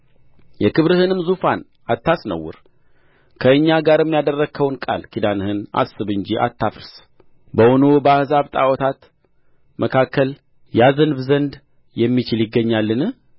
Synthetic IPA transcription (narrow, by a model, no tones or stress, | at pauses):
jɛkɨβɾɨhɨnɨmzufan | at̪ːasnə̰wːʊ̰ɾ | kʰəɨɲːaɡaɾɛmːijad̪ərːəkʰəwnkʼa̰lkʰid̪anhɨna̰sɨβɨnd͡ʒiʔa̰t̪ʰːafɾs | bəwunobəahzaβt̪ʼawɔt̪ʰat̪ | mʔəkʰakʰːəl | jazənɨβzənd̪ | jɛmːit͡ʃɪljɪɡːəɲːalːɨnɨ